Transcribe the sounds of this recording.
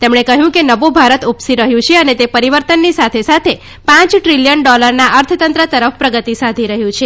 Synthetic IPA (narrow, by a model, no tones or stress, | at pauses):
t̪emɳekəɦjũkenəʋubʱaɾət̪upsiɾəɦjũt͡ʃʰeənet̪epəɾiʋəɾt̪ənːisat̪ʰesat̪ʰe | pãt͡ʃʈɾiljənɖɔləɾnaʔəɾt̪ʰət̪ənt̪ɾət̪əɾəfpɾəɡət̪isad̪ʱiɾəɦjũt͡ʃʰe